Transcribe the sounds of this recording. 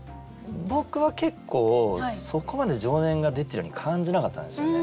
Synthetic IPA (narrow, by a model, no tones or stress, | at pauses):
bo̞kɯ̟βake̞kʰːo̞ːso̞ko̞mad̪e̞ʑo̞ːnẽ̞ŋɡad̪e̞t̪ːeɾɯjoɲikʰãɲ̟d͡ʑinakat̪ːã̰nd̪esjone